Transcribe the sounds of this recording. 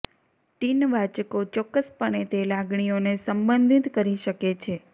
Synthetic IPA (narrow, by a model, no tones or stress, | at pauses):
ʈinʋat͡ʃəkot͡ʃɔkːəspəɳ̃et̪elaɡɳ̃ijonesəmbənd̪ʱit̪kəɾiʃəket͡ʃʰe